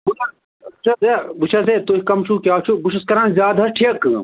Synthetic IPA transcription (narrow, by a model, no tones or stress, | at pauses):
busɐ | but͡ʃʰɐzebut͡ʃʰɐz̬et̪oikɐmt͡ʃʰukʲjaːt͡ʃʰubuʃʰɐskɐɾanzʲjaːd̪ʱɐɾʈʰiɐk